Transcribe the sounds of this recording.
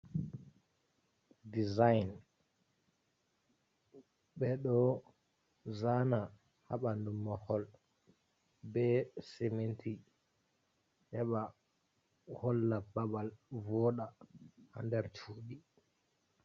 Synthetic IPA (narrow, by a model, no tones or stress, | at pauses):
dizajn | ɓɛɗɔ | zana | haɓandumːɔhɔl | bɛsementʰi | hɛɓa | hɔlːababalvɔɗaha̰ndɛɾt͡ʃʰuːɗi